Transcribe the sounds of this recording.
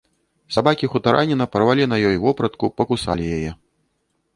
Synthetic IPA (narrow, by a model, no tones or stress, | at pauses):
sabakʲixut̪aɾʔanʲinɐpɐɾvalʲinɐjɔjvɔpɾɐt̪kupɐkusa̰lʲijajɛ